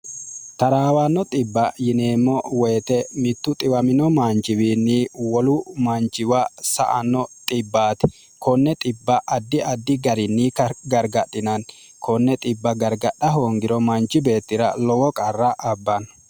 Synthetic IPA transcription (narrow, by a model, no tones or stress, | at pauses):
t̪ɐɾaːwanːɔt̪ʼɪbːɐjɪneːmːɔwɛːt̪ɛmɪt̪ːʊt̪ʼɪwɐmɪnɔmaːnd͡ʒɪwiːnːiwɔlʊmɐnt͡ʃɪwɐsɐ̰ʔɐ̰nːɔt̪ʼɪbːaːt̪ɛ̥ | kɔnːɛt̪ʼɪbːɐʔɐd̪ːɪɐd̪ːɪɡɐɾɪnːiːkɐɡɐɾɡɐɗːɪnɐn | kʰɔnːɛt̪ʼɪbːɐɡɐɾɡɐɗːɐɦoːŋɡɪɾɔmɐnt͡ʃːɪbe̞ːt̪ːɪɾɐ̰lɔwɔkʼɐrːɐʔɐbːɐn